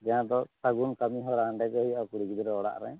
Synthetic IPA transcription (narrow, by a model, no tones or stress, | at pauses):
d͡ʒaãd̪ɔsaɡunkamiɦɔɾaɳɖɛkɔɦiakuɽikid̪iɾɛɔɽa̰ʔɾɛ̰